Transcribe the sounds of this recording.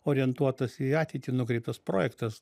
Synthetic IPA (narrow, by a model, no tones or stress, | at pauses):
oːɾʲɪɛnt̪uɔt̪ɐsiɑːt̪ʲɛɪt̪ʲɪnʊkɾʲɛɪp̚t̪ɐspɾoːjɛkt̪ɐs